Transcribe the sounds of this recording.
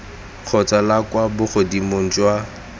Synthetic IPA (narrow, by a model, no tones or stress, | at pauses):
q͡χʰɔt͡sʼalakwabʊχʊdimon̩t͡ʃʼwa